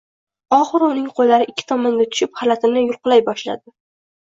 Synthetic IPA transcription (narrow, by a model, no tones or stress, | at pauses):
ɒχɨɾʊnɪŋqʰojlaɾɪʔɪkʲʰːɪ̥t̪ʰɒmɒnɡʲat̪ʰʊ̥ʃɪphalat̪ʰɪmnɪjʊlˠqɨlˠajbɒʃla̰d̪ɪ